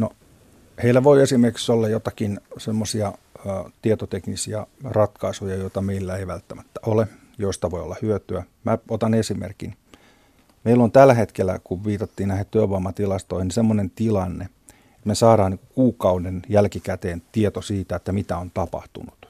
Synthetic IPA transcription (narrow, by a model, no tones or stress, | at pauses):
no | heilːæʋoiesimerki̥ksolːɑjot̪ɑkinsemːosiɑːt̪iet̪ot̪eknisiɑrɑt̪kɑisujɑjoit̪ɑmeilːæeiʋælt̪ːæmæt̪ːæʔole | joist̪ɑʋoio̰lːɑhyøt̪yæ | mæot̪ɑnesimḛrkḭn | meilːont̪ælːæhet̪kelːˑæ̰kuʋʋiːt̪ɑt̪ːiːnnæhet̪t̪yeʋɑmːɑt̪ilɑst̪oihinisemːonent̪ilɑnːe | et̪mesɑːɾɑːniŋkukuːkɑunenjælkikæt̪eːnt̪iet̪osiːt̪æet̪ːæmit̪æont̪ɑpɑ̰ht̪ṵnut̪